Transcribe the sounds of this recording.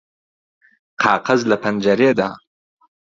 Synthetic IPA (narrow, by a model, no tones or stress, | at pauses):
qʰɑːqazlapand͡ʒaɾeːd̪aː